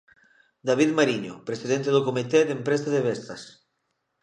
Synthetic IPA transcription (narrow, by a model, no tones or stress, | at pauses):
d̪aβiðmaɾiɲo̰pɾesiðent̪eðokomit̪eðempɾesaðeβest̪ɐs